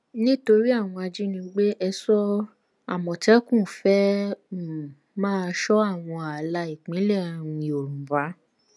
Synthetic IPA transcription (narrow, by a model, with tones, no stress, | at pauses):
nĩ˦to˧ɾi˦a˦˨w̃ɔ̃˧a˧d͡ʒi˦nĩ˧ɡ͡be˦ʔɛ˧sɔ˦ | a̰˦˨mɔ̃˨tɛ˨˦kũ˦˨fɛ˦˨ | mãː˦˧ʃɔ˦a˦˨w̃ɔ̃˧a˨la˧i˨k͡pĩ˨˦lɛ˦˨ã˨˧˨o˨ɾũ˨va˨˦